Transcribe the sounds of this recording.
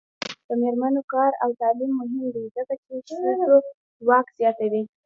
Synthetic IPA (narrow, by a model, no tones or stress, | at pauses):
d̪̥əmeɾmanokɑɾawt̪ɑlimːʊɦɪmd̪ed̪abat͡ʃeɾasɾo | wɑkz̥jɑt̪awi